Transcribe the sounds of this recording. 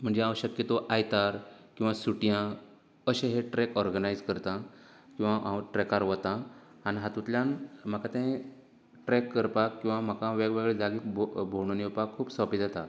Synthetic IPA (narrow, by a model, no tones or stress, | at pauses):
m̤əɳd͡zeaʋəɕəkjət̪oʔajt̪aɾkĩw̃ʋasuʈijã | əɕẽɦeʈɾɛkɔɾɡənajd͡zkəɾt̪ã | kĩw̃ʋaʔãwʈɾɛkaɾʋət̪ãaniɦat̪ut̪ljãnm̤akat̪ẽ | ʈɾɛkːəɾpakːĩw̃ʋam̤akaʋeɡʋeɡɭed͡zaɡiːkbbʱoɳ̃onipakkʰːuːpsɔpid͡zat̪a